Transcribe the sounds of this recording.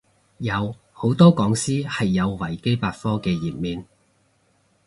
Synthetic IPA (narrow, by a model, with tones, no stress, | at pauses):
jɐ˨˧w | ho˨˥wt̪ɔː˥kɔː˨˥ŋsiː˥hɐ˨jːɐ˨˧wwɐ˨˩jke˥jpaː˧t̚fɔː˥kɛː˧jiː˨p̚miː˨˧n